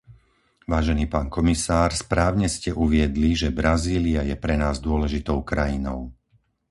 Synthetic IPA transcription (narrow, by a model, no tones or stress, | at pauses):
ʋaːʒɛniːpaːnkɔmisaːɾspɾaːʊɲɛscɛʔuʋɪɛd̪liʒɛbɾaziːliajɛpɾɛnaːzd̪ʊɔlɛʒit̪ɔʊkɾajinɔʊ